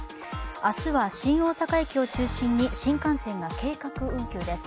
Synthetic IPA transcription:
asɨβaɕĩɰ̃o̞ːsakaekʲio̞t͡ɕɨːɕĩɲ̟ːiɕĩŋkãsẽ̞ŋɡake̞ːkakɯ̟ɯ̟̃ŋkʲɨːd̪e̞s

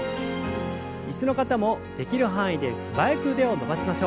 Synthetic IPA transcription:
it͡sɨno̞kat̪amo̞d̪̥e̞kʲiɾɯ̟ɦãɰ̃id̪e̞sɨbajekɯ̟d̪e̞o̞no̞baɕimaɕo̞ː

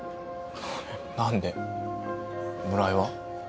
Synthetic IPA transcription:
nãnd̪e̞ | mɯ̟ɾaiβa

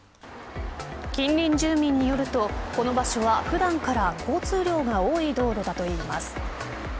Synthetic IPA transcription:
kʲĩnɾʲĩɲ̟d͡ʑɨːmʲĩɲ̟ːijo̞ɾɯ̟t̪o̞ko̞no̞baɕo̞βaɸɯ̟d̪ãŋkaɾako̞ːt͡sɨːɾʲo̞ːɡaoːid̪o̞ːɾo̞d̪at̪o̞iːmasɨ̥

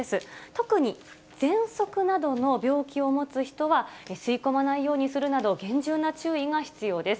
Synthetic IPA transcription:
esɨt̪o̞kɯ̟ɲ̟i | d͡z̥ẽ̞ɰ̃so̞kɯ̟nad̪o̞no̞bʲo̞ːkʲio̞mo̞t͡sɨçi̥t̪o̞βaesɨiko̞manaijo̞ːɲ̟isɨɾɯ̟nad̪o̞ɡẽ̞ɲ̟d͡ʑɨːnat͡ɕɨːiɡaçi̥t͡sɨjo̞ːd̪e̞sɨ̥

